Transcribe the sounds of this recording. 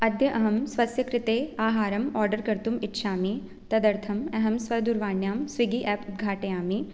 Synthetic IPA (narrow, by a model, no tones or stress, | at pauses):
ɐd̪ʱjɐʔɐɦɐmsʋɐsjɐkɾɪt̪eːaːɦaːɾɐmɔːɾɖəɾkɐɾt̪umɪtːʃʰaːmi | t̪ɐd̪ɐɾt̪ʰɐmɐɦɐmsʋɐɾd̪uɾʋaːnjaːmsʋiɡiʔɛːpʊt̪̚ɡʱaːʈeːaːmi